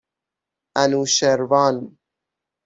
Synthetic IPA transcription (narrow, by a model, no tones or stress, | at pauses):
ænuʃeɾvɑːn